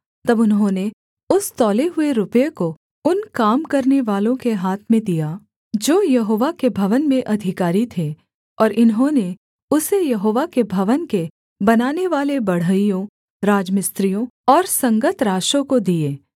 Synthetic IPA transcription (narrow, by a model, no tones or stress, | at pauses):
t̪ɐbʊnɦõne | ʊst̪ɔːleɦʊeɾʊpjeko | ʊnkaːmkɐɾneʋaːlõkeɦaːt̪ʰmẽd̪ijaː | d͡ʒoːjɐɦoːʋakebʱɐʋənmẽʔɐd̪ʱɪkaːɾit̪ʰe | ɔːɾʔɪnɦõne | ʊsejɐɦoːʋakebʱɐʋənke | bɐnaːneʋaːlebɐɽ̤əijõ | ɾaːd͡ʒmɪst̪ɾijõɔːɾsɐ̃ŋɡət̪ɾaːʃõkod̪ieː